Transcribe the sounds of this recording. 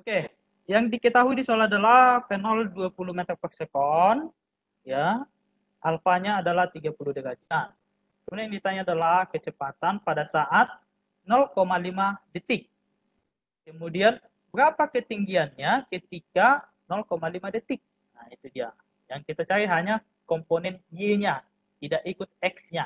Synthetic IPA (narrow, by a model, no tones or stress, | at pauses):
oke | jaŋdikət̪aɦuidisolaadalakənɔlduapuluhmet̪ərpɛrsəkɔn | ja | ʔalfaɲaːdalaht̪iɡapuluhdəɡad͡ʒan | kəmudiajŋdit̪aɲaːdalahkət͡ʃəpat̪anpadasaʔat̪̚ | nɔlkomalimadet̪ɪk̚ | əmudian | bəɾapakət̪iŋɡianɲakət̪ika | nɔlkomalimadet̪ɪk̚ | nait̪udia | jaŋkit̪at͡ʃaɾiɦaɲa | kɔmponɛnjeɲa | t̪idaʔikʊt̪̚ɛksɲa